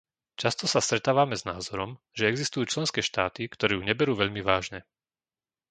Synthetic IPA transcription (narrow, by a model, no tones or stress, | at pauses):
t͡ʃast̪ɔsast̪ɾɛt̪aːʋamɛznaːzɔɾɔm | ʒɛɛɡzist̪ujuːt͡ʃlɛnskɛːʃt̪aːt̪ikt̪ɔɾɛːjuɲɛbɛɾuːʋɛʎmiʋaːʒɲɛ